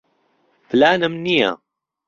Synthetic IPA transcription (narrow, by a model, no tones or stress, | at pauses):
flaːnamnija̰